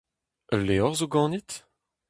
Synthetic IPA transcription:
əlːeɔʁzoɡɑ̃ːnit̪

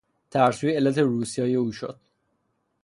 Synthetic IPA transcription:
t̪ʰæɾsuːbeelːæt̪ʰeɾuːsijɒːjeuːʃo̰d̪̥̚

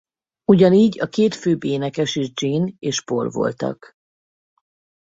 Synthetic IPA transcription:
uɟɒniːɟɒkeːt̪føːbeːnɛkɛʃiʒd͡ʒiːneːʃporvo̞̰lt̪ɒ̰k

